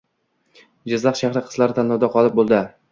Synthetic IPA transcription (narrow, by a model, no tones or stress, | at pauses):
d͡ʒɪzlɑqʃahɾɪqʰɨ̥zlaɾɪt̪ʰanhɒwd̪aqʰɒlˠɪp̚bolˠd̪ɪ